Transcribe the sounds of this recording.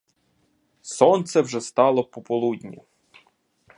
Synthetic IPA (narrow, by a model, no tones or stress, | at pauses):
sɔnt̪sɛwʒɛst̪ɑlˠɔpɔpɔlˠud̪ʲnʲḭ